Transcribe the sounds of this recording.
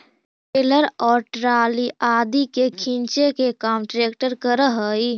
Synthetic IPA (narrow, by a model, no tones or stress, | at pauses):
peləɾɔːɾʈɾaːliʔaːd̪ikekʰĩnt͡ʃekekaːmʈɾeːkʈəɾkəɾəɦəi